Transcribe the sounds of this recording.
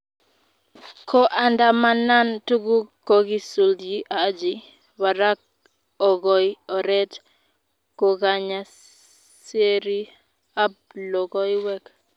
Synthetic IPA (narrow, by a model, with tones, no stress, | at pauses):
kʰo˦ʔa˨nda˨ma˨na˦ntu˦ɡu˦kːo˦ɡi˦su˨ldi˦ʔa˨˦d͡ʒi˨ | wa˨ɾa˦k̚ | ɔ˨ɡɔ˨jɔ˨ɾɛ˦t | ko˨ɡa˨ɲa˨ | se˦ɾi˦ | a˦b̚lɔ˨ɡɔ˦jwɛ˦k